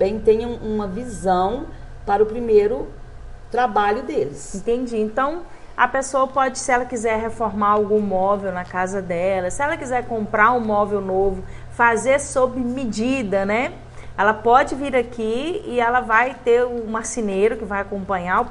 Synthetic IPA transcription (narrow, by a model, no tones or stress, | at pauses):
bẽj̃t̪ẽɲɐ̃ũmɐvizɐ̃w̃ | paɾɐʊpɾimejɾʊ | t̪ɾabaʎʊd̪elɪsẽt̪ẽnd͡ʒiẽnt̪ɐ̃w̃ | ɐ̰pesoɐpɔd͡ʒɪsɪɛlɐkizɛɾɦefoɾmaɾawɡũmɔvewnɐkazɐd̪ɛlɐsɪɛlɐkizɛɾkõmpɾaɾʊ̃mɔvewnovʊ | fazeɾsobɪmid͡ʒid̪ɐnɛ | ɛlɐpɔd͡ʒɪviɾakiɪɛlɐvajt̪eɾʊmasinejɾʊkɪvajakõmpɐ̃ɲaʊ